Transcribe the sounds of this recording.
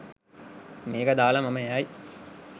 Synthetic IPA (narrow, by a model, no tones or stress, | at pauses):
meːɡɐd̪aːlɐmɐmɐjaːji